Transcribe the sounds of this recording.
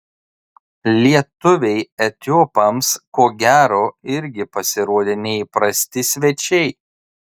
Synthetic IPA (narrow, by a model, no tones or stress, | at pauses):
lʲiɛt̪ʊʋʲɛɪɛt̪ʲoːpɐmskoːɡʲæːɾoːɪɾʲɡʲɪpɐsʲɪɾuɔd̪ʲeːnʲɛipɾɐsʲt̪ʲɪsʲʋʲɛt͡ʃʲɛɪ